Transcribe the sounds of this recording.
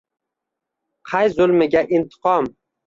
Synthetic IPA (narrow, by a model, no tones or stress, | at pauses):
qʰɑjzʊlˠmɪɡʲaʔɪnt̪ʰɨ̥qʰɒm